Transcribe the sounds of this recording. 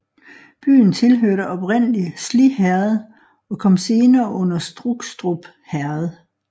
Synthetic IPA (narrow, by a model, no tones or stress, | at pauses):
b̥y̰ːn̩t͡sʰe̝lɦøɐ̰ɾəʔɒ̽b̥ʁen̰əlislihæɐðˠ | ɒ̽kʰɒ̽m̰se̝ːnɐːʔɔ̽n̰ɐsd̥ʁuɡ̥sd̥ʁob̥ | hæɐð̩ˠ